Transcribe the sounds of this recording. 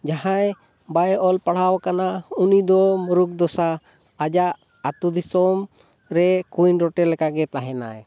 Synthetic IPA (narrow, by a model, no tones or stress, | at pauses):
d͡ʒaɦãj | bajʔɔlpaɽ̤awkanaunid̪ɔmɔɾuk̚d̪ɔsaː | d͡ʒaʔ | at̪ud̪isɔm | ɾɛkujnɾɔʈɛlɛkaɡɛt̪aɦɛna̰ɛ